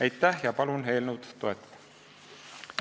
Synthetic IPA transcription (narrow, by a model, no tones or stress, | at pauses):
æjt̪ːæhjɑpɑlunɦe̞jlnuwt̪t̪ːoɛt̪ːˑɑ̥d̪ɑ̥